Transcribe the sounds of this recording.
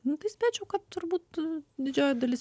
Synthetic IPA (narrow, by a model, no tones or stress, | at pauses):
nʊt̪ɐɪsʲpʲæːt͡ʃʲɛʊkɐt̪t̪ʊɾbuːt̪d̪ʲɪd͡ʒʲoːjɛd̪ɐlʲɪsʲ